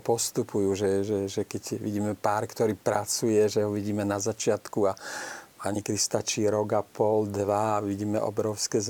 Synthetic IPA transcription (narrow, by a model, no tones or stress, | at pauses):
pɔst̪upujuːʒɛʒɛʒɛkɛɟʋḭɟiːmɛpaːɾkt̪ɔɾiːpɾat͡sujɛʒɛɦɔʋiɟiːmɛnazat͡ʃɪat̪kuapaɲikɛd̪ist̪at͡ʃiɾɔɡapɔld̪ʋaaʋiɟiːmɛ̰ʔɔ̰bɾɔʊskɛːz